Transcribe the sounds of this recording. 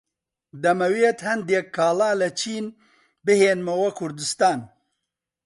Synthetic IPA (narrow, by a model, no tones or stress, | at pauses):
d̪ɐmɐweːt̪hɐnd̪ekʰːaːlaːlɐt͡ʃʰiːn | bɨheːnmɐwɐkʰʊɾd̪ɨst̪aːn